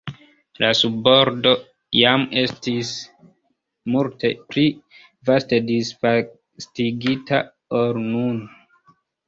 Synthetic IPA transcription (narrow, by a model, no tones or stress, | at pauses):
lasubo̞ɾdo̞ | jame̞stis | multʰe̞pɾi | vaste̞disfa | stiɡitʰa̰ | oɾnun